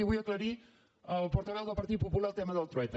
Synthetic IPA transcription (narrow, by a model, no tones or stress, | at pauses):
iβujəkləɾi | əlˠpuɾt̪əβɛlˠðəlˠpɐɾt̪it̪̚pupulalˠt̪ɛməðəlˠt̪ɾuɛjt̪